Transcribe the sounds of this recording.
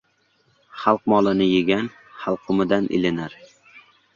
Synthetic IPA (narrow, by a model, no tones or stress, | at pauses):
χɑlˠqmɒlˠɪnɪjɪɡʲan | χɑlˠqʰʊmɪd̪anʔɪ̰lɪnaɾ